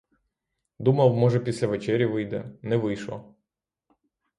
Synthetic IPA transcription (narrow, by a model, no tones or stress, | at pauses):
d̪umɐwmɔʒɛpʲisʲlʲɐʋet͡ʃɛɾʲjiʋɪjd̪ɛnɛʋɪjʃlˠɔ̰